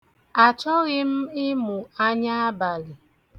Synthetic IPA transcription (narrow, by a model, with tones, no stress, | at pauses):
a˨t͡ʃɔ˦ɣɪ˦m̩˦ɪ˦mu˨a˦ɲa˦a˦ba˨lɪ˨